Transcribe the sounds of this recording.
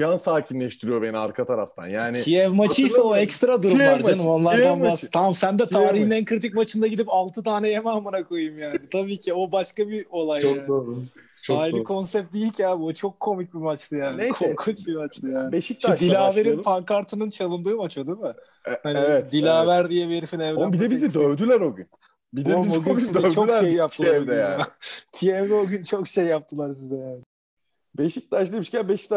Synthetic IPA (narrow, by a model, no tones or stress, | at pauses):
d͡ʒansaːcʰinlʲɛʃt̪ʰiɾijo̞be̞nia̰ɾkʰat̪ʰaɾa̰ft̪ʰa̰njaːnɪijɛvmat͡ʃʰɯjsaoɛkst̪ɾad̪uɾumˠaɾd͡ʒanɯmo̞nlˠaɾd̪anbast̪ʰamamsænd̪ɛt̪ʰaːɾiɦinænkʰɯɾit̪̬ʰic̚ʲmat͡ʃʰɯnd̪aɟid̪ipalˠt̪ʰɯt̪ʰaːnɛjemamɯɾakʰojɯmjaːnɪt̪ʰabiːcʰio̞baʃkabio̞lˠajaaːnʰ | aːilʲikʰo̞nsɛp̚t̪̚d̪ijilʲcʰʲaːbot͡ʃʰo̞kʰːo̞mic̚bimat͡ʃt̪ɯjaːnikʰomkʰut͡ʃbimat͡ʃt̪ˠɯjaːnbeʃik̚tʃd̪illʲaːve̞ɾinpʰaŋkʰaɾt̪ʰɯnɯnt͡ʃʰalˠɯnd̪ɯːmat͡ʃad̪ɯmɯ | hanivɛt̪d̪ilʲaːvæɾd̪ijɛveɾifinɛvbid̪ɛbizid̪øvd̪ylʲæɾoɡʲy̰n | bid̪ɛoɡyizɛt͡ʃʰolejjːap̚t̪ʰɯlˠaɛmd̪ɛacʰijɛmd̪ɛoɟʲynt͡ʃʰo̞kʃejːap̚t̪ʰɯlˠaɾs̬izɛjaːnɪ | beʃic̚t̪aʃlˠɯimiʃcænbeʃi̥t̪